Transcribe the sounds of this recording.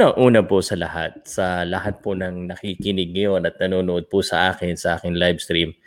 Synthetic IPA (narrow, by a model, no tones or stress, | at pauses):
ɐŋʔuːnɐpʊsɐlɐ̰ha̰t̪̚sɐlɐhat̪̚pʊnɐŋnɐkikɪnɪɡ̚ŋɐjo̞nɐt̪̚nɐnoːnʊʔod̪̚pʊsɐʔaːkɪnsɐʔaːkɪŋlajbst̪ɾim